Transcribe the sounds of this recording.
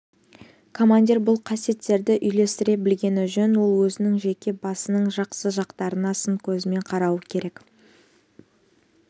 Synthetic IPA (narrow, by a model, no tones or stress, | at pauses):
kʰo̞manʲd̪ʲiɾbʊlˠqʰɑsije̞t̪ːe̞ɾd̪ɪʔʏjle̞st̪ɪɾe̞bɪlɡʲe̞nɪʒɵnwo̞lˠwɵzɪnɪŋʒe̞kʲe̞bɑsənəɴʒɑqsəʒɑqt̪ɑɾənɑsəŋkʲʰɵzɪme̞ɴqʰɑɾɑwəkʲʰe̞ɾe̞k